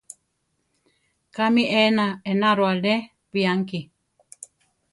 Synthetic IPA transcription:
kamiʔenaenaɾoale | piaŋki

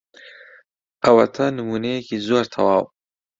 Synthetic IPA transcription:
ɐwɐ̰t̪ʰɐnɨmuːnejekizoːɾt̪ʰɐwɑːw

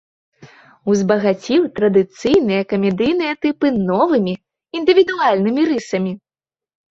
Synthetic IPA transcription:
uzbɐɣat͡sʲiwt̪ɾɐd̪ɨt̪sɨjnɨjɐkɐmʲɛd̪ɨjnɨjɐt̪ɨpɨnɔvɨmʲi | ind̪ɨvʲid̪ualʲnɨmʲiɾɨsɐmʲi

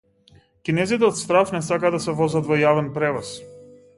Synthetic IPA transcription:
kʲinɛzit̪ɛɔt̪st̪ɾafnɛsakad̪asɛvɔzat̪vɔjavɛnpɾɛvɔs

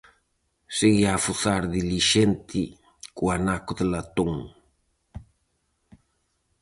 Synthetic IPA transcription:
seɣiafuθaɾðiliʃent̪ʰi | kuanakʊðelat̪oŋ

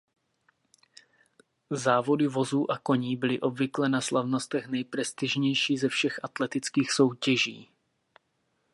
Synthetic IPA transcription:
zaːvo̞dɪvo̞zuːʔako̞ɲiːbɪlɪʔo̞bvɪklɛnaslavno̞st̪ɛxnɛjpɾɛst̪ɪʒɲɛjʃiːzɛfʃɛxʔat̪lɛt̪ɪt͡skiːxso̞wcɛʒḭː

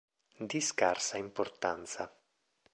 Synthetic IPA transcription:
d̪iskarsaimport̪ant̪sa

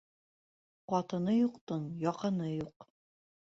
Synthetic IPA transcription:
qɒt̪ɤ̆nɤjuqt̪ɤnjɒqɤ̆nɤjuq

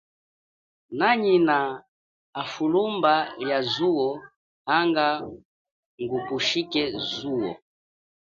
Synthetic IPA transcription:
naɲinaː | fulumbajazuɔ | haŋɡa | ŋɡukuʃikɛzuɔ̰

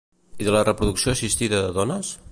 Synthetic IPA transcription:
iðələrəpɾuðuksioəsist̪iðəðəðɔnəs

